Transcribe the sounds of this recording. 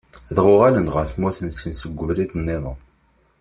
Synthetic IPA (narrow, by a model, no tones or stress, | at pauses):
ðʁʊʁalənʁəɾθmuθənsənsəɡʷːəvliθənːeðˤə